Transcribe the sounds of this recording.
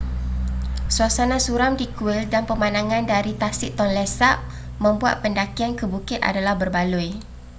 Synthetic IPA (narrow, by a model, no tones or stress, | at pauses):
suasanãsuɾamdikuɪldanpəmãnãŋãndaɾit̪asɪʔt̪ɔnlɛsap̚ | mə̃mbua̰t̪̚pəndakiankəbukɪt̪̚a̰dalahbərbaluj